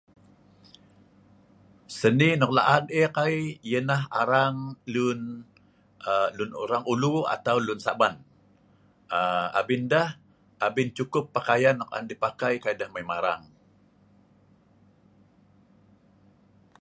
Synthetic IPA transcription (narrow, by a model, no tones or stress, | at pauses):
səninɔk̚la̰ʔanekajjənaɦaɾaŋlun | əlunṵɾaŋulua̰t̪awlunsaban | əa̰bɪndah | ʔabɪnt͡ʃukʊpːakajanːɔk̚a̰ndipakajkajdahmajmaɾa̰ŋ